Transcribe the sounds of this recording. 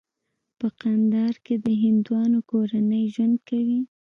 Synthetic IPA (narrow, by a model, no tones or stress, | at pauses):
pəqand̪ɑɾked̪əɦɪnd̪uwɑnokoɾanəjʒwand̪̚kawi